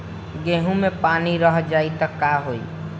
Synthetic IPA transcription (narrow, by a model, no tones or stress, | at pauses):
ɡeɦũmẽpaniɾəɦd͡ʒaːit̪əkːaɦoi